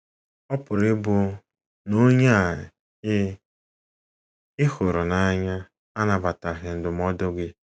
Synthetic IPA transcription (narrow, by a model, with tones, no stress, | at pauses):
ɔ˦pʊ˨ɾɪ˦bʊ˨ | no˦ɲa˦˨ | ɪ˦ | ɪ˦xʊ˨ɾʊ˨na˦ɲa˦ | a˦na˨ba˨ta˨ɣɪ˨n̩˨dʊ˨m˦ɔ˦do˦ɡɪ˦